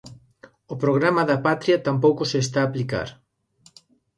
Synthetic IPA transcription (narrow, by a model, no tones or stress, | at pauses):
ʊpɾoɣ̞ɾamɐðɐpat̪ɾiɐt̪ampowkʊses̬t̪aːplika̰ɾ